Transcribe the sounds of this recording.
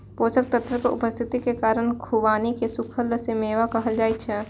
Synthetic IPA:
pot͡ʃək̚t̪ət̪ɾəkeṵpəst̪ʰit̪ikekaːɾənkʰubanikesukʰəlːəsemeʋakəɦəld͡ʒaːjt̪̚t͡ʃʰɛ

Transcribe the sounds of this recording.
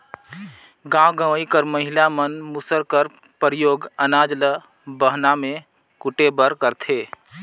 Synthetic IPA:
ɡãwɡəʋikəɾməɦɪlamənmʊsəɾkəɾ | pɾɪjoːɡənaːd͡ʒlə | bəɦnamẽ | kʊʈebəɾkəɾt̪ʰeː

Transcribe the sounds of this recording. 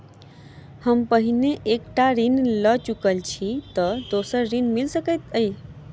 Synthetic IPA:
həmpəɦineʔekʈaɾinlət͡ʃukəlt͡ʃʰit̪əd̪osəɾːinmilsəkəjt̪əj

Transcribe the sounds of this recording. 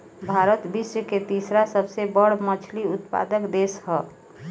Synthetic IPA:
bʱaɾət̪bisjəket̪isɾasəbsebəɽmət͡ʃʰliut̪pa̰d̪əkd̪eshə

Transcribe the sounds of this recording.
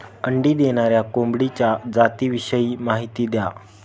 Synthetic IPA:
əɳɖiːd̪eɽ̃aɾjakombɽit͡ɕjad͡zat̪iːʋiɕəjiːmaɦit̪iːd̪ja

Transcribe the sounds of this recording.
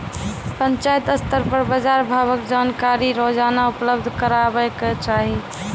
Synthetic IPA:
pəɲt͡ʃajt̪əst̪əɾpəɾbəd͡ʒaɾbʱaːbəkd͡ʒaːnkaɾiɾod͡ʒanaupləbd̪ʱkəɾabɛket͡ʃaːɦi

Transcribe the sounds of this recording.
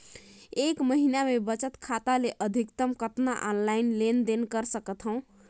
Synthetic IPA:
ekməɦinamebət͡ʃət̪kʰat̪aleʔəd̪ʱikt̪əmkət̪na̰ʔɔnlainlend̪enkəɾsəkət̪ɦə̃ʊ̃

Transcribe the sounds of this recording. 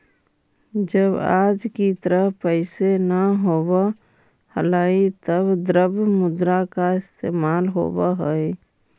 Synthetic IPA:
d͡ʒəbaːd͡ʒkit̪əɾəɦpəɪsenəɦoːwa | həlaːit̪əbd̪ɾəbmʊd̪ɾakaɪst̪eːmaːlɦo̰ːwaɦəi

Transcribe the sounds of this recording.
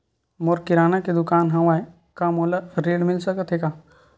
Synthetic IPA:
moɾkɪɾaːnaked̪ʊkaːnɦɐ̃ʋaːe | kamoːlaɾeːɽmɪlsəkət̪ʰɦekaː

